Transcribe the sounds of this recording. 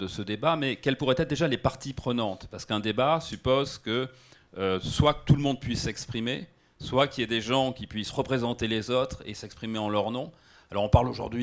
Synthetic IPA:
d̪əsəd̪ebamɛkɛlpuʁɛt̪ɛt̪χd̪eʒalepaʁt̪ipχənɑ̃t̪paʁsə̥kɛ̃d̪ebasypozkə | øswakə̥t̪uləmɔ̃d̪̚pɥisːɛkspχime | swakʲiɛd̪eʒɑ̃kʲipɥisʁəpχezɑ̃t̪elezot̪χḛsɛkspχimeɑ̃lœʁnɔ̃ | alɔʁɔ̃paʁloʒṵʁd̪ɥi

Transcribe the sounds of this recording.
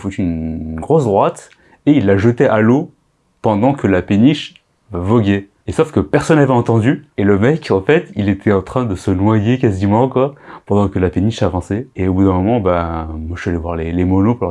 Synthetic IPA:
fut̪yːnɡʁɔsd̪ʁwat̪ | eilːaʒət̪ɛʔalo | pɑ̃d̪ɑ̃kʰəlapeniʃ | vavɔɡʲɛ | esɔfkəpɛʁsɔnːavɛɑ̃t̪ɑ̃d̪yeləmɛkɑ̃fɛt̪ilet̪ʰɛɑ̃t̪χɛ̃d̪əsənwajekazimɑ̃kwapɑ̃d̪ɑ̃kəlapeniʃavɑ̃sɛeobud̪ɛ̃mɔmɑ̃bamwaʒalɛvwaʁlelemɔnopɑ̃d̪̃

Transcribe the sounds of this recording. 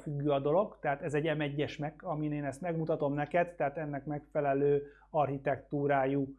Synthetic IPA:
fyɡːyɒd̪o̞lo̞ɡt̪ɛɦaːt̪ɛzɛɟːɛmɛɟːɛʃmɛkɒmineːnɛst̪mɛɡmut̪ɒt̪o̞mnɛkɛd̪t̪ːɛɦaːt̪ɛnːɛkmɛkfɛlɛløː | ɒrhit̪ɛkt̪uːɾaːju

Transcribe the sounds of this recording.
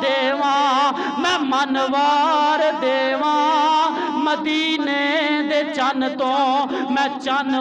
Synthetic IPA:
d̪eːʋãː | mɛ̃ːmənʋaːɾd̪eːʋãː | məd̪iːneːd̪eːt͡ʃənt̪õː | mɛ̃ːt͡ʃən

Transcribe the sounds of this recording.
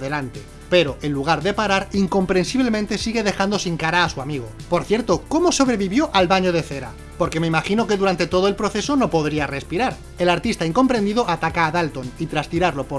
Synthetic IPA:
ðelant̪e̞ | pe̞ɾo̞ʔe̞nluɣ̞aɾðe̞paɾaɾiŋko̞mpɾe̞nsiβle̞mẽnt̪e̞siɣe̞ðe̞xand̪o̞siŋkaɾaːsuamiɣ̞o̞po̞ɾθje̞ɾt̪o̞ko̞mo̞so̞βɾe̞βiβjo̞ʔalβaɲo̞ð̞e̞θe̞ɾa̰ | po̞ɾke̞me̞imaxino̞ke̞ðuɾant̪e̞t̪o̞ð̞oe̞lpɾo̞θe̞so̞no̞po̞ðɾiare̞spiɾaɾ | e̞laɾt̪ist̪aiŋko̞mpɾe̞nd̪iðo̞ʔat̪akaːðalt̪o̞nit̪ɾast̪iɾaɾlo̞po

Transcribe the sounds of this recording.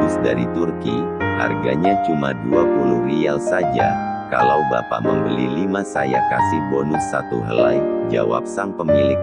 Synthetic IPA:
ʊsdaɾit̪urkiha̰rɡaɲat͡ʃumaduapunuhrialsad͡ʒakalawbapaməmbəlilimasajakasɪhbɔnʊsat̪ṵɦəlajd͡ʒawa̰p̚saŋpəmilɪk

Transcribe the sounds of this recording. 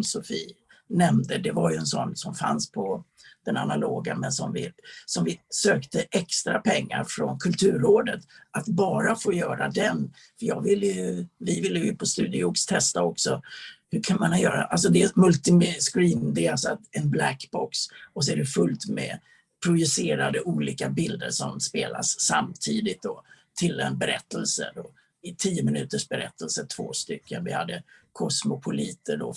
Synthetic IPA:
sɔfiːnɛmd̪əd̪ɛvaɾjɵɛnsɔ̰nːsɔmfa̰nspʰɔ | d̪̥ɛna̰naloːɡamɛnsɔmvɪsɔmvɪsøːkt̪əʔɛkst̪ɾapʰɛŋːa̰ɾfɾɔnkʰɵlt̪ʰʉ̟ːɾːoːd̪ət̪ʔat̪bɑːɾafoːjœːɾad̪ɛn | fœɾjɑ̰ːɡvɪlːəjɵvɪvɪlːəjjɵpʰɔst̪ʉ̟ːd̪ɪʊkst̪ʰɛst̪aɔksɔhɵkʰanmanjœːɾa̰ʔals̬ɔd̪ɛmɵlt̪ɪmskɾiːnd̪ɛalsɔat̪ɛnblækbɔksɔs̬ɔæɖɛfɵlt̪mɛ̰ | pʰɾʊjɵseːɾad̪əʔuːliːkabɪld̪əʂɔmspeːlʔa̰sːamt̪ʰiːd̪ɪt̪̚d̪ɔt̪ʰɪlːɛɛnbɛɾɛt̪ːəlsə̰d̪ɔ | ɪt̪ʰiːjːʊmɪnʉ̟ːt̪əʂbɛɾɛ̰t̪ʰːəlsəʈ̪ʰv̥oːst̪ʏkʰːənvɪha̰d̪ːəkʰɔsmʊpʰʊliːt̪ʰəɖɔ

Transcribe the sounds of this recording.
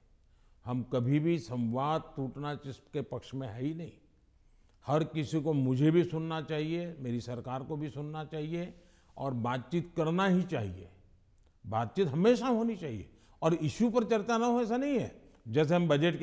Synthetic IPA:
hɐmkɐbʱibʱisɐ̃wʋaːd̪̚t̪uːʈnat͡ʃɪskepɐkʃmẽɦɛinɐɦḭ̃ | hɐɾkɪsikomʊd͡ʒʱebʱisʊnːat͡ʃaːɦiemeːɾisɐɾkaːɾkobʱisʊnːat͡ʃaːɦie | ɔːɾbaːt̪̚t͡ʃiːt̪kɐɾnaɦit͡ʃaːɦiḛ | baːt̪̚t͡ʃiːt̪ɦɐmeːʃaɦoːnit͡ʃaːɦiḛ | ɔːɾɪʃupɐɾt͡ʃɐɾt͡ʃanɐɦoes̬anɐɦĩɦɛ̰ː | d͡ʒɛːs̬eɦɐmbɐd͡ʒeʈk

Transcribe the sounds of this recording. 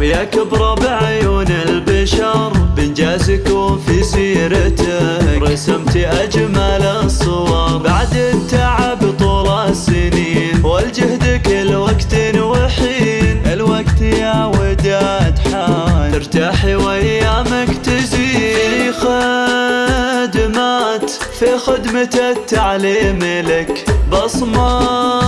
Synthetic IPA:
wjakɪbɾˤɑbʕajuːnɪlbaʃɑɾˤbɪnd͡ʒaːzkʊfisiːɾat̪ɾˤɑsamt̪iʔad͡ʒmalsˤːɨwɑɾˤbaʕd̪ɪt̪ːaːʕabɨt̪ˤuːlasːɪniːnwald͡ʒahd̪akɪlwaɡt̪ɪnwaħiːnʔɪlwaɡt̪jawɪd̪at̪ħaːɪɾt̪aːħiwajːamakt̪aziːxa | d̪maːt̪fixɪd̪mat̪at̪ːaʕliːmɪlɪkbɑsˤmɑ

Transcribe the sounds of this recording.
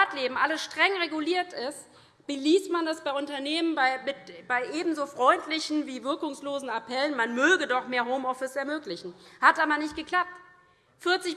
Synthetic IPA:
tleːbm̩ʔaləsʃtʁ̥ɛŋʁeɡuliːɐtɪst | b̥əliːstmandasb̥aɪʔʊntɐneːmənbaɪmɪtb̥aɪʔeːbm̩zoːfʁ̥ɔʏntlɪçn̩viːvɪɐkʊŋsloːzn̩apʰɛlənmanmøːɡədɔχmeːɐɦoʊmɔfɪsɛɐmøːklɪçn̩hatʔaːbɐnɪçt̚ɡ̥əkl̥ap̚t | fɪɐt͡sɪç

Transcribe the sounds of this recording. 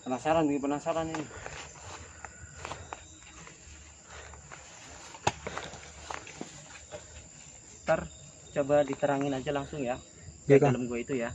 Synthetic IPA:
pənasaɾanbəɡipənasaɾani | t̪ar | t͡ʃobadit̪əɾaŋɪnad͡ʒalaŋsʊŋja | daləmɡuait̪uja

